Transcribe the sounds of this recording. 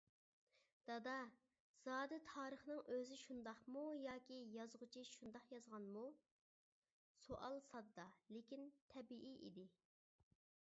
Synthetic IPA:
d̪̥ɑd̪ɑ | z̥ɑːd̪ɪt̪ʰɑːɾəχnɨŋøzɪʃund̪ɑχmujɑːkʲijɑzʁʊt͡ʃʰiʃund̪ɑχjɑzʁɑnmu | soʔɑlˠsɑd̪ːɑlekʲint̪ʰɛbiʔiʔḭd̪ɪ

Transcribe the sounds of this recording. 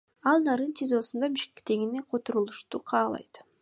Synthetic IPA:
ɑlˠnɑɾɯnt̪ʰʲezo̞sund̪ɑbiʃke̞k̚t̪e̞ɡʲine̞qʰo̞t̪oɾulˠuʃt̪uqʰɑːlˠɑ̰jt̪

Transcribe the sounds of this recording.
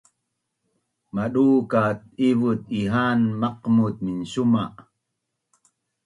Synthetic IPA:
maɗukat̪̚ivut̪̚iɦanmaqmut̪̚minɕumaʔ

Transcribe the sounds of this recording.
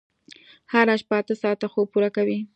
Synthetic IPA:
haɾaʃpəat̪əsɑt̪axob̚puɾakawi

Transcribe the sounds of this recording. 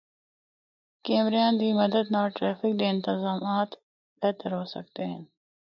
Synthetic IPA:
keːmɾjɑːnd̪iːmɐd̪əd̪naːʈɾaːfɪk̚d̪eɪnt̪ɪzɑːmaːt̪ | bɛt̪ɐɾɦoːsɐ̰kt̪eɦḛ̃n

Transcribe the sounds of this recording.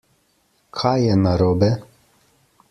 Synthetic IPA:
kʰajɛnaɾoːbɛ

